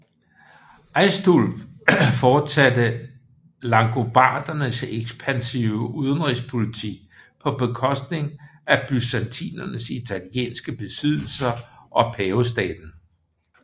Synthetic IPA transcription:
ʔɑ̈ɪsd̥olffɒ̥ːsæd̥ə | lɑ̈ŋɡ̥o̝b̥ɑ̰̈ːd̥ɐnəseɡ̥sb̥ʰænsiʊəuðˠənʁis̬pʰo̝lit͡sʰiɡ̥̚pʰɒ̽b̥e̝kʰɒ̽sd̥ne̝ŋʔæb̥ysænt͡sʰḭːnɐnəsit͡sʰæljḛːnsɡ̥əb̥e̝sið̞̰ˠl̩sɐʔɒ̽pʰɛːos̬d̥ɛ̰ːd̥n̩

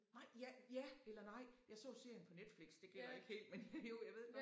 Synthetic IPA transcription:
nɑ̈ɪ̰jæjæelɐnɑ̈ɪ̰jɑ̈ɪsɔ̰̽ːse̝ɐ̰jənpʰɒ̽ned̥fliɡ̥sd̥e̝ɡ̥el̰ɐe̝ɡ̥he̝̰ːld̥menjo̝jɑ̈ɪʋe̝ð̞̰ˠɡ̥

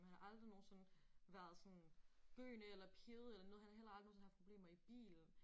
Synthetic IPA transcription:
mhænæʔɑ̈ld̥ʁino̝ːn̩sɔ̽nʋæːɐð̞ˠsɒ̽nɡ̥ø̰ːnəelɐpʰjeð̩ˠelɐnɔð̩ˠhænæhel̰ɑ̈ld̥inoːnshæ̥pʰʁo̝b̥le̝̰ːmɐib̥ḭːln̩

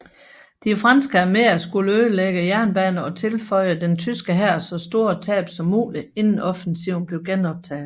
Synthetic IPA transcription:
d̥ifʁɑ̈nsɡ̥əæmeɐsɡ̥uləøðəleɡ̥əjæɐ̰nb̥ɛnəɒ̽t͡sʰe̝lfɒ̽ɪ̰əd̥ent͡sʰysɡ̥əɦæɐ̰sɒ̽sd̥o̝ːɐt͡sʰɛ̰ːb̥sɒ̽mːṵːlie̝nn̩ɒ̽fən̩siʊnb̥le̝ʊɡ̥enɒ̽b̥̚t͡sʰɛ̰ːðl̩ˠ

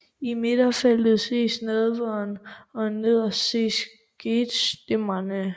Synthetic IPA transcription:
ime̝d̥ɐfæl̥ð̩ˠse̝̰ːsnɛðˠʋɐnɒ̽ne̝ð̰ˠɐse̝̰ːs | ɡ̥ed̥sd̥emɐnə

